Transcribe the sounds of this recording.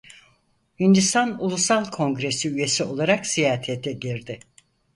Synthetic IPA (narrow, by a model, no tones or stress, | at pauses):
hind̪ist̪ʰanulˠusalˠkʰõ̞ŋɡɾe̞siyje̞sio̞lˠaɾaksijaːt̪ʰet̪ʰɛɟiɾd̪ɪ